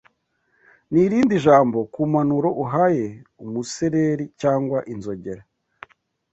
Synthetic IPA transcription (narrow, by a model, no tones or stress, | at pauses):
niɾiːndiʒaːmbo̞kuːmanuɾo̞ʔuɦaje̞umuseɾeɾicaːŋɡwaʔinzo̞ɟe̞ɾa